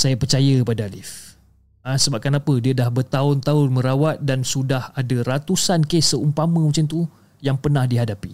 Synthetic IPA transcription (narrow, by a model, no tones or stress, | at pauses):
sajapərt͡ʃajəəpadaalɪf | asəbap̚kanapədiadahbərt̪aʊnt̪aʊnmə̃ɾawat̪̚dansudahadaɾat̪usankesəumpamə̃mə̃t͡ʃamnt̪u | jaŋpərnãhdiɦadapi